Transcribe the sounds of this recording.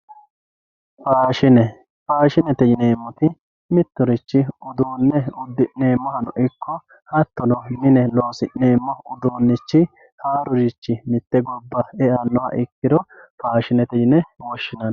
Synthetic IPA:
paːʃɪnɛ | paːʃɪnɛt̪ɛd͡ʒɪneːmːʊt̪ɪ | mɪt̪ːʊɾɪt͡ʃːɪʊd̪uːnːɛʊd̪ːɪʔneːmːɔhɐnʊʔɪkʰːɔ | hɐt̪ːɔnɔmɪnɛloːsɪʔneːmːɔʊd̪uːnːɪt͡ʃːɪ | haːɾʊd͡ʒɪt͡ʃːɪmɪt̪ːɛɡɔbːɐɛɐnːɔhɐ̰ʔɪkːɪd̪ɔpaːʃɪnɛt̪ɛd͡ʒɪnɛwɔʃːɪnɐn

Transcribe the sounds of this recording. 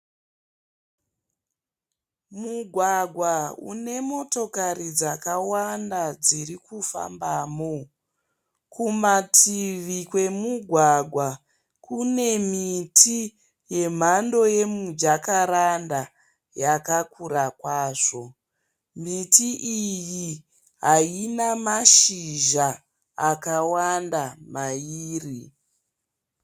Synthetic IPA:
muɡʱwaɡʱwaṵne̞mo̞to̞kaɾid͡zakawandad͡zirikufa̰mbaːmo | kumatʰiʋikwe̞muɡʱwaɡʱwa | kune̞mitʰi | je̞m̤ando̞je̞mud͡ʒakaɾanda | jakakuɾakwaːʐo̞ | mitiʔiji | ɦainamaʃiʒaː | kawandamaiːri

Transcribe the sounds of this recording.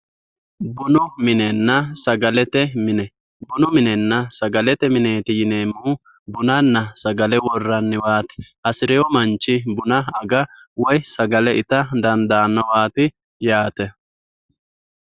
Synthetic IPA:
bʊnʊmɪnɛnːɐsɐɡɐlɛt̪ɛmɪnɛ | bʊnʊmɪnɛnːɐsɐɡɐlɛt̪ɛmɪneːt̪ɪjɪneːmuː | bʊnɐnːɐsɐɡɐlɛwɔrːɐnːɪwaːt̪ɪ̥ | ɐsɪɾɛjɔmɐnt͡ʃːɪbʊnɐɐɡɐ | wɔjsɐɡɐlɛʔɪt̪ɐd̪ɐnd̪aːnːɔwaːt̪ɪ | jaːt̪ɛ

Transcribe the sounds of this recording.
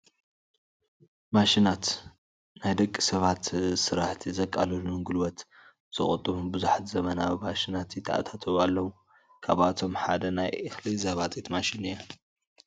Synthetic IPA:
maʃinat̪ | najd̪ɐkʼːisɐβat̪sɨɾaħt̪ʰizɐkʼa̰lulŋɡulwɔt̪ | z̥ɨχʼɔt̪ʼːɨβunbɨzuħt̪zɐmɐnaβimaʃinat̪it̪ʰɐʔa̰t̪ʰat̪ʰɐβalːɐwu | kʰaβat̪ʰo̞mħa̰d̪ɐnajʔɨxlizaβat̪ʼit̪maʃinɨja

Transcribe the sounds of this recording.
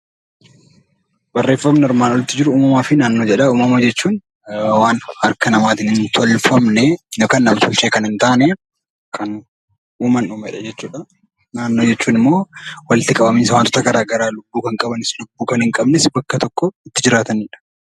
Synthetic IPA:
bɐrːe̞ːfːɐmnɛɪɾmaːnwɔlɪt̪ːɪd͡ʒɪɾʊuːmɐmaːfɪnaːnːoːd͡ʒɛᶑɐuːmɐmɐd͡ʒɛt͡ʃːuːn | waːnɐɾkɐnɐmaːt̪ɪnhɪnt̪ʰɔlfɐmnɛnokɐnːɐmt̪ʊlt͡ʃeːkɐnɪnt̪aːnɛ | kʰɐn | uːmɐnuːmɛᶑɐd͡ʒɛt͡ʃːuːᶑɐ | naːnːoːd͡ʒɛt͡ʃːuːnɪmːo̞ːwɐlɪt̪ːɪkʼɐbɐmiːsɐwant̪ɔ̥t̪ɐɡɐɾaːɡɐɾaːlʊbːuːkɐŋkʼɐbɐnɪslʊbːuːkɐnhɪŋkʼɐbnɪsbɐkːɐt̪ɔkːɔɪt̪ːɪd͡ʒɪɾaːt̪ɐnɪᶑɐ̥

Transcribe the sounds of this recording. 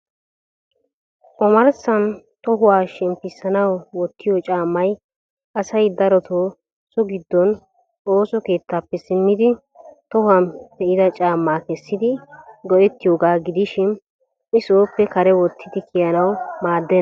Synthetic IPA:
ʔɔmɐɾsɐn | t̪ɔɦʊwaːʃɛmpɪsːɐnɐwwɔt̪ʰːɪjot͡ʃʼaːmːɐj | ʔɐsɐjd̪ɐɾɔt̪oː | sɔɡɪd̪ːɔn | oːsɔke̞ːt̪ːaːpːɛsɪmːɪd̪ɪ | t̪ɔhɐmd̪̥ɛʔɪd̪ɐt͡ʃʼaːmːaːkɛsːɪd̪ɪɡɔʔɛt̪ːɪjoːɡaːɡɪd̪ɪʃɪn | ɪsoːpːɛkɐɾɛwɔt̪ʰːɪd̪ɪkɪjɐnɐwmaːd̪ːɛn

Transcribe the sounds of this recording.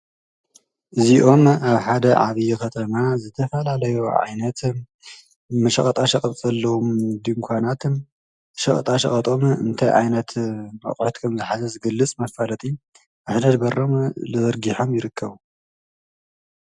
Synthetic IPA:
ʔɨziʔo̞maβħad̪ɐʕa̰βijɛkʰɐt̪ʰɐmazɨt̪ʰɐfɐlalɐjoʕa̰jnɐt̪ | mɐʃɐχʼɐt̪ʼaʃɐkʼɐɐlːɐwomd̪imkʷʰanat̪ | ʃɐχʼɐ̰t̪ʼaʃɐ̰χʼɐt̪ʼo̞mɨ̰nt̪ʰajʕa̰jnɐt̪mɐ̰χʼħut̪kʰɐmzɨħazɐzɨɡɐlːɨt͡sʼmɐfalɐt̪ʼi | ʔɨħd̪ɐd̪bɐromlɨzɐɾɡiħo̞mjɪɾɨkʰːɐβu

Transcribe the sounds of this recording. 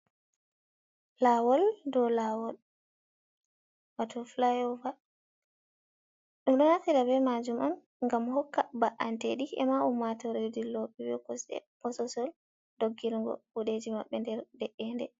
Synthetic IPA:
lawɔldɔlawɔl | watʰɔflajɔva | ɗumɗɔnatiɾabɛmad͡ʒumɔn | ŋɡamhɔkːabaʔanteɗiɛ̰maumːatɔɾedilɔɓiwɛ̰kɔsɛ̰pɔsɔsɔl | doɡːilŋɡɔ̰kuɗed͡ʒimaɓːɛndɛɾdɛʔːɛndɛ̰

